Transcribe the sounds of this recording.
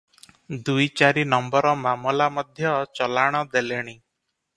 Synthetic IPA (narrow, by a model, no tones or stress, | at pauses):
d̪ujt͡ʃaɾinɔmbɔɾɔmamɔlamɔd̪ʱjɔt͡ʃɔlaɽ̃ɔd̪eleɽ̃i